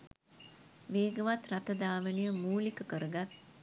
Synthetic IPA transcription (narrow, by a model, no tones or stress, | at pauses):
ʋeːɡəʋat̪rat̪əd̪aːʋənijəmuːlikəkəɾəɡat̪̚